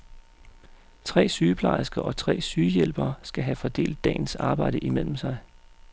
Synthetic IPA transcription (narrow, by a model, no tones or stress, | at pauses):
t͡sʰʁɛ̰ːsyːpʰlɑ̈ɪsɡ̥ɐʔɒ̽t͡sʰʁɛ̰ːsyːjel̰b̥ɐːsɡ̥æɦæfɒ̽d̥e̝̰ːld̥ːɛ̰ːn̩sɑ̈ːb̥ɑ̈ɪ̰ɾ̥əʔimel̰m̩sɑ̈ɪ